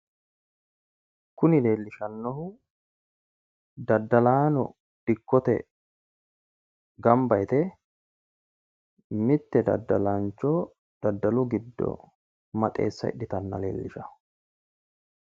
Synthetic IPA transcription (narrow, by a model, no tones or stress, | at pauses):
kːʊnɪle̞ːlːɪʃɐnːɔhʊ | d̪ɐd̪ːɐlaːnɔ̰ | d̪̥ɪkːɔt̪ɛ̰ | ɡɐmbɐjt̪ɛ | mɪt̪ːɛd̪ɐ̰d̪ːɐlɐnt͡ʃːɔ | d̪̥ɐd̪ːɐlʊɡɪd̪ːɔ̰ | mɐt̪ʼe̞̰ːsːɐ̰ɪ̰ɗɪt̪ɐnːɐ̰le̞̰ːlːɪʃɐ